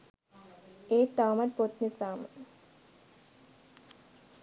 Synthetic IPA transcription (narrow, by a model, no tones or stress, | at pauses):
eːt̪ːaːmɐt̪̚pot̪nisaːmə